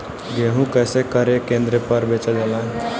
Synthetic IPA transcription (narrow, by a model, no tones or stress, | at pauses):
ɡeɦũkəjsekəɾekend̪ɾepəɾbet͡ʃəd͡ʒəlã